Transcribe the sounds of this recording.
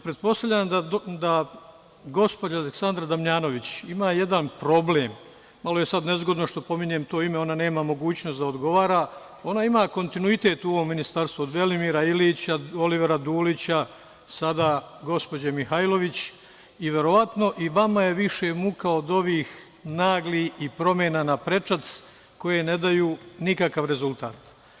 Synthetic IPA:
pɾe̞t̪̚po̞st̪avʎʲamd̪ad̪a | ɡo̞spo̞d͡ʑaaleksand̪ɾad̪amɲaːno̞ʋit͡ɕimaːje̞d̪anpɾo̞ble̞ːmː | aloje̞sad̪ne̞zɡo̞d̪no̞ʃt̪o̞po̞miɲe̞mt̪o̞ːime̞o̞nane̞ːmamo̞ɡuːt͡ɕnosd̪aod̪ɡo̞ʋaːɾaː | o̞naimaːko̞nt̪inuit̪e̞t̪uo̞ʋo̞mːinist̪aɾst̪ʋoːd̪ʋe̞limiːɾailit͡ɕao̞liʋeɾad̪uːlit͡ɕa | sad̪aːɡo̞spo̞d͡ʑamixajlˠo̞ʋit͡ɕ | iʋje̞ɾo̞ʋat̪no̞ʔiʋamaje̞ʋiʃemukaod̪o̞ʋiːx | naːɡliipɾo̞mjenanapɾe̞t͡ʂat̪s | ko̞je̞ne̞d̪ajuːnikakaʋɾe̞zulˠt̪a̰ːt̪

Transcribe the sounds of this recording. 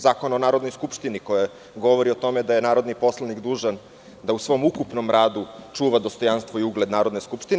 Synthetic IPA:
zaːko̞naonaːɾo̞d̪nojskupʃt̪inikoja | ɡo̞ʋo̞ɾiot̪o̞med̪aje̞naːɾo̞d̪nipo̞slˠanikd̪uːʒan | d̪ausʋo̞mukupno̞mɾaːd̪ut͡ʂuːʋad̪o̞st̪ojanst̪vo̞iuɡle̞d̪naːɾo̞d̪neskupʃt̪in

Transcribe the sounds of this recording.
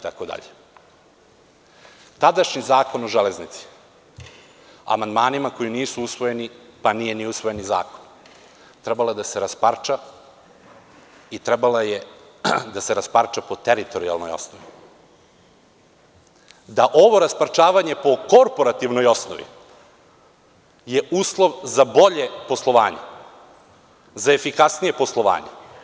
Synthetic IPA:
t̪akod̪a̰ʎe | t̪ad̪aʃɲizaːko̞noʒeleznit̪si̥ | a̰mand̪maːnimako̞jiniːsuusʋo̞je̞nipanije̞niusʋo̞jeniza̰ːko̥n | t̪ɾebalad̪ase̞ɾaspaɾt͡ʃa | it̪ɾebalajed̪aseɾaspaɾt͡ʃapot̪eɾit̪o̞ɾia̰lˠno̰jo̰snoʋḭ | d̪aʔo̞ʋo̞ɾaspaɾt͡ʃaːʋaɲe̞po̞ko̞ɾpo̞ɾat̪iʋnojo̞sno̰ʋḭ | je̞ʔuːslˠo̞ʋzabo̞ʎe̞po̞slˠo̞ʋa̰ːɲḛ | zaefikasnije̞po̞slˠo̞ʋa̰ːɲe

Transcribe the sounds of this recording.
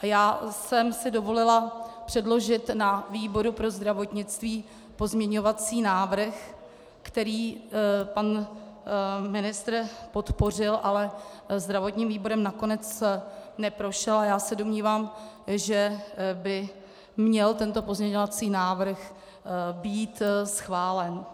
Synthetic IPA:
ʔajaːsɛmsɪdo̞vo̞lɪlapr̝̥ɛdlo̞ʒɪt̪naviːbo̞ɾupɾo̞zd̪ɾavo̞t̪ɲɪt͡st̪viː | po̞zmɲɛɲo̞vat͡siːnaːvr̩x | kt̪ɛɾiːpan | mɪnɪst̪ɾpo̞t̪po̞r̝ɪlʔalɛ | zd̪ɾavo̞t̪ɲiːmviːbo̞ɾɛmnako̞nɛt͡snɛpɾo̞ʃɛlajaːsɛdomɲiːvaːm | ʒɛbɪ | mɲɛlt̪ɛnt̪o̞po̞zmɲɛɲovat͡siːnaːvr̩x | biːt̪sxvaːlɛn

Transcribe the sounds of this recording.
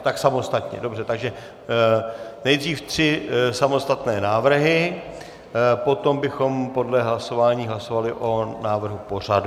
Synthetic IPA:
t̪aksamo̞st̪at̪ɲɛ̰do̞br̝ɛt̪aɡʒɛ | nɛjd̪riːft̪r̥ɪsamo̞st̪at̪nɛːnaːvr̩ɦɪ | po̞t̪o̞mbɪxo̞mpo̞dlɛɦlaso̞vaːɲiːɦlaso̞valɪʔo̞naːvr̩ɦupo̞r̝adu

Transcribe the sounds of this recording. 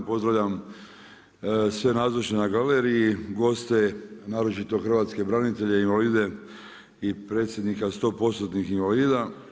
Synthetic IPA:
po̞zd̪ɾaʋʎam | sʋe̞naːzoʃenaɡaleɾijiɡo̞st̪e̞naːɾo̞t͡ʃit̪o̞xrʋaːt̪ske̞bɾanit̪e̞ʎeinʋaliːd̪e̞ | ipɾe̞ːt̪sje̞d̪nikast̪o̞ːpo̞st̪ot̪nixinʋaliːd̪a

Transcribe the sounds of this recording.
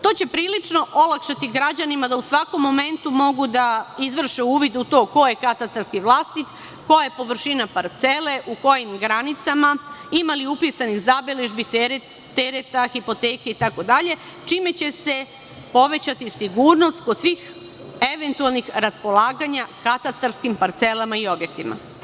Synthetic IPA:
t̪o̞ːt͡ɕe̞pɾiːlit͡ʃno̞ʔo̞lˠakʃat̪iɡɾad͡ʑanimad̪ausʋako̞mːo̞me̞nt̪umo̞ɡud̪aizʋr̩ʃeuːʋid̪ut̪o̞ːko̞je̞kat̪ast̪ɾalskiʋlˠaːsnikː | o̞jajepo̞ʋr̩ʃinapaɾt̪se̞le̞ʔuko̞jimɡɾanit̪samaimaliupisanixzabileʒbi | t̪eɾet̪axipo̞t̪eːkeit̪ako̞d̪aʎe̞ | t͡ʃiːme̞t͡ɕe̞se̞ | po̞ʋe̞t͡ɕat̪isiɡuːɾno̞st̪ko̞d̪̥sʋiːx | e̞ʋe̞nt̪ualˠnixɾaspo̞laːɡaɲakat̪ast̪aɾskimpaɾt̪se̞lamaio̞bje̞k̚t̪ima̰

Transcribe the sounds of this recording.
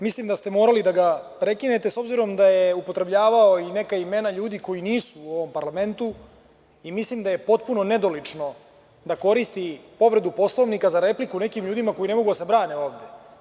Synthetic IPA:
mislimd̪ast̪emo̞ːɾalid̪aɡapɾe̞kine̞t̪e̞so̞bziɾo̞md̪ajeupo̞t̪ɾe̞bʎaːʋaoine̞kaimenaʎuːd̪iko̞jiniːsuːo̞ʋo̞mpaɾlame̞nt̪u | imislimd̪aje̞po̞t̪̚puno̞ne̞d̪o̞lit͡ʂno̞ | d̪ako̞ɾist̪ipo̞ʋɾe̞d̪upo̞slˠo̞ʋnikazaɾe̞plikune̞kimʎuːd̪imako̞jine̞mo̞ɡud̪as̬ebɾaːneo̞ːʋd̪e̞

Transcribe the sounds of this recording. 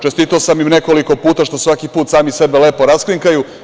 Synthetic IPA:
t͡ʃest̪it̪aosamjimne̞ko̞liko̞puːt̪aʃt̪o̞sʋakipuːt̪saːmise̞bele̞ːpo̞ɾaskliŋkaju

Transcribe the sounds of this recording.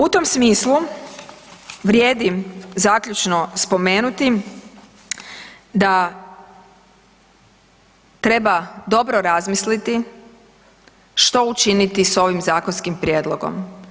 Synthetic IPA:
ut̪o̞msmiːslu | ʋɾʲje̞ːd̪izaːkʎʲut͡ʃno̞spo̞me̞ːnut̪i | d̪a | t̪ɾe̞bad̪o̞bɾoɾazmislit̪i | ʃt̪o̞ut͡ʃinit̪iso̞ʋimzaːkonskimpɾjeːd̪lˠo̞ɡo̞̰m

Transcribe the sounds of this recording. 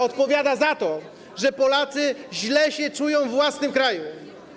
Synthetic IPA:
ɔt̪pɔvʲjad̪azat̪ɔ | ʐɛpɔlat̪sɘʑlɛɕɛt͡ʂujɔ̃w̃vwasnɘmkɾaju

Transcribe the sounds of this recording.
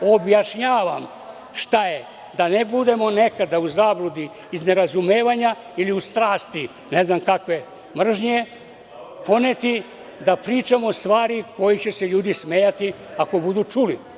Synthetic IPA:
o̞bjaʃɲaːʋam | ʃt̪aje | d̪anebud̪e̞mo̞ne̞kad̪auzaːblˠud̪i | izne̞ɾazumeːʋaɲa | iliust̪ɾaːst̪i | ne̞znamkakʋe̞ | mr̩ʒɲe | po̞net̪i | d̪apɾiːt͡ʃamost̪ʋaːɾiko̞jit͡ɕe̞se̞ʎuːd̪ismejat̪i | ako̞bud̪ut͡ʃuli

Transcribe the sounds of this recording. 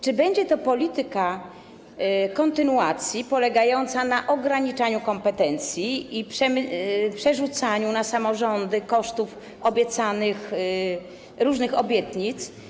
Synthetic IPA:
t͡ʂɘbɛɲd͡ʑɛt̪ɔpɔlʲit̪ɘka | kɔnt̪ɘnuat̪sʲjipɔlɛɡajɔnt̪sanaʔɔɡɾaɲit͡ʂaɲukɔmpɛt̪ɛnt̪sʲjiːpʂɛmpʂɛʐut̪saɲunasamɔʐɔnd̪ɘkɔʂt̪uf | ɔbʲjɛt̪sanɘx | ɾuʐnɘxɔbʲjɛt̪ɲit̪s

